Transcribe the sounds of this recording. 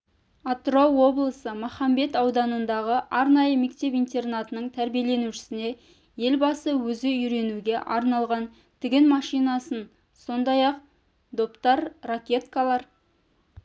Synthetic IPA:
at̪rowːo̞blˠəsəmoχɑmbe̞t̪ɑwd̪ɑnənd̪ɑʁəʔɑɾnɑjəme̞k̚t̪e̞pijnt̪e̞rnat̪ənəɴt̪ʰæɾbije̞le̞nuʃɪ̥sɪne̞ | je̞lbɑsəwɵzɪʏɾe̞nuɡʲe̞ʔɑɾnɑlˠʁɑn | t̪ʰɪɡʲɪnmɑʃijnɑsən | so̞nd̪ɑjɑq̚ | d̪o̞pt̪ɑɾːakʲe̞t̪kalˠɑɾ

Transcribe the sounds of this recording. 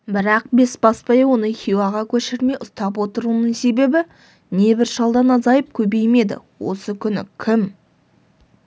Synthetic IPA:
bɪɾɑq̚be̞sbɑspɑjɑwo̞nəχʲijwɑʁɑkʲʰɵʃɪɾme̞jʊst̪ɑpwo̞t̪əɾunəɴse̞be̞bɪ | ne̞bɪɾʃɑlˠd̪ɑnɑzɑjəp̚kʲʰɵbe̞jme̞d̪ɪ̰wo̞̰səkʲʰʏnɪ̰kʲʰɪm

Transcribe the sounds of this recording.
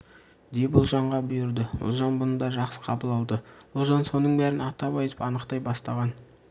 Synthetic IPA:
d̪ebʊlˠʒɑɴʁɑbʊjɪɾd̪əʊ̰lˠʒɑnbʊnəd̪ɑʒɑqsə̥qʰɑbəlˠɑlˠd̪əʊlˠʒɑnso̞nəɴbæɾɪnɑt̪ɑbɑjt̪əpɑnəqt̪ɑjbɑst̪ɑʁɑn

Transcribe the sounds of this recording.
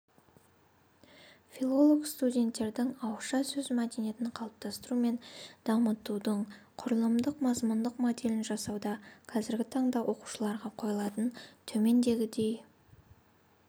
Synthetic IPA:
fʲilˠo̞lˠo̞kst̪udʲe̞nt̪ːe̞ɾd̪ɪŋɑwʃɑsɵzmæd̪e̞nije̞t̪ɪɴqʰɑlˠəp̚t̪ʰɑst̪əɾume̞nd̪̥ɑmət̪ud̪əɴqʰʊɾəlˠəmd̪əqmɑzmʊnd̪əqmo̞d̪e̞lɪnʒɑsɑwd̪ɑqʰɑzɪɾɡʲɪt̪ʰɑɴd̪ɑwʔo̞qu̥ʃəlˠɑɾʁɑqʰo̞jlˠɑt̪ənt̪ʰɵme̞nd̪e̞ɡʲɪd̪e̞j

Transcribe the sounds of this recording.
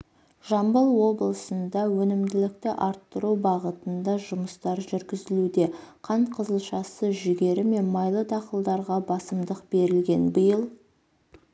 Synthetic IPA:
ʒ̥ɑmbəlˠwo̞blˠəsənd̪ɑwɵnɪmd̪ɪlɪk̚t̪ɪʔɑɾt̪ːəɾubɑʁət̪ənd̪ɑʒʊməst̪ɑɾʒʏɾɡʲɪzɪlud̪e̞qʰɑɴqʰəzəlˠʃɑsəʒʏɡʲe̞ɾɪme̞nmɑjlˠəd̪ʰɑqəlˠd̪ɑɾʁɑbɑsəmd̪əqbe̞ɾɪlɡʲe̞nbəjəlˠ

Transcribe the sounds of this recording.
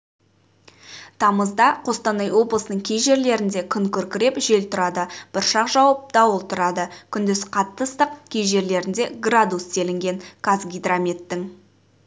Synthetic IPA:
t̪ʰɑməzd̪ɑqʰo̞st̪ɑnɑjwo̞blˠəsənəɴkʲʰejʒe̞ɾle̞ɾɪnd̪e̞kʲʰʏŋkʲʰɵɾkʲɪɾe̞pʒe̞lt̪ʰʊɾɑd̪əb̥ʊɾʃɑqʒɑwɑp̚d̪̥ɑwəlˠt̪ʰʊɾɑd̪əkʲʰʏnd̪ɪsqʰɑt̪ːəst̪əqkʲʰe̞jʒe̞ɾle̞ɾɪnd̪e̞ɡrad̪ust̪ʰe̞lɪŋɡʲe̞ŋkʰazɡʲijd̪ramʲet̪ːɪŋ

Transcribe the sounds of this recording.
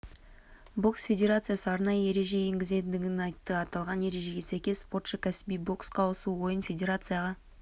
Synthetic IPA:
bo̞ksfʲe̞dʲe̞ɾat̪sɨjasəɑɾnɑjəe̞ɾe̞ʒe̞eŋɡʲɪze̞t̪nd̪ɪɡʲɪnɑjt̪ːəɑt̪ɑlˠʁɑne̞ɾe̞ʒe̞ɡʲe̞sæjkʲe̞sːpo̞rt̪ʃəkʲʰæsbijbo̞ksqʰɑosuwo̞jənfʲe̞dʲe̞ɾat̪sɨjaʁɑ

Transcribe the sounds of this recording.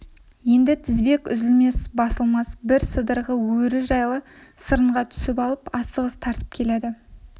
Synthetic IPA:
je̞nd̪ɪt̪ʰɪzbe̞kʲʏ̰zɪlme̞sbɑsəlˠmɑsbɪɾsəd̪əɾʁəwɵɾɪʒɑjlˠə | səɾəɴʁɑt̪ʰʏ̥sɪpɑlˠəpɑst̪əʁəst̪ʰɑɾt̪ə̥p̚kʲʰe̞led̪ɪ

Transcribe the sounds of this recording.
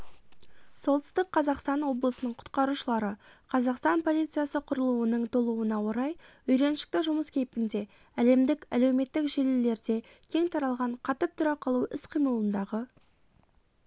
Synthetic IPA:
so̞lˠt̪ɪ̥st̪əqʰːɑzɑqst̪ɑnwo̞blˠəsənəɴqʰʊ̥t̪qɑɾuʃəlˠɑɾəqʰɑzɑqst̪ɑnpʰo̞lˠijt̪sɨjasəqʰʊɾəlˠuənəɴt̪ʰolˠuənɑwo̞ɾɑj | ʏjɾe̞nʃɪ̥k̚t̪ɪʒʊməskʲʰejp̚kʲɪnd̪e̞ | æle̞md̪ɪkæle̞wme̞t̪ːɪkʒe̞lelːe̞ɾd̪e̞kʲʰe̞ŋt̪ʰɑɾɑlˠʁɑɴqʰɑt̪əp̚t̪ʰʊɾɑqʰɑlˠuɪsqʰijməlˠənd̪ɑʁə

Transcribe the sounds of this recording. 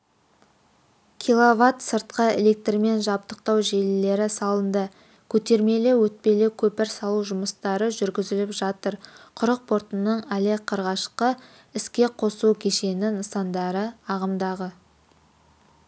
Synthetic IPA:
kʲʰilˠovat̪səɾt̪̚qəele̞k̚t̪rɪme̞nʒɑp̚t̪əq̚t̪ɑwʒe̞lːe̞ɾɪsɑlˠənd̪ə | kʲʰɵt̪e̞ɾme̞lewɵt̪̚pe̞le̞kʲʰɵpɪɾsɑlˠuʒʊməst̪ɑɾəʒʏɾɡʲɪzɪlɪpʒ̥ɑt̪əɾqʰʊɾəq̚pʰo̞ɾt̪ənəɴæle̞qʰəɾʁɑʃqə | ɪskʲe̞qʰo̞sukʲʰe̞ʃe̞nɪnəsɑnd̪ɑɾəɑʁəmd̪ɑʁə

